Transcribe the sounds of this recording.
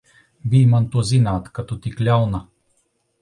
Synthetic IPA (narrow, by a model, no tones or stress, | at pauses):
vimant̪uzinaːt̪kat̪ɔt̪iklʲalna